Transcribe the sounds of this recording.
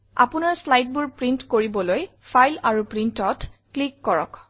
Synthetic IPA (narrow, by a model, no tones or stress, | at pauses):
a̰pʊnaɹslajd̚bʊɹpɹintkoɹibɔloj | fʰajlaɹupɹintɔtklikːɔɹɔ̰k